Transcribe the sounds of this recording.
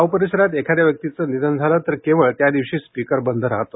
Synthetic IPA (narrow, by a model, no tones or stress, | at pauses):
aupəɾiɕəɾat̪ekʰad̪jaʋjək̚t̪it͡sənid̪ənd͡zʱaləːt̪əɾkeʋəɭt̪jad̪iʋɕiːspikəɾbənd̪ʱəɾaɦt̪o